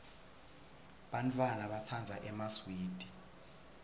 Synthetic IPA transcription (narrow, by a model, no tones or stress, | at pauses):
ɓantʼwanaɓat͡sʰand͡zʱaʔɛmaswiːd̥ʱi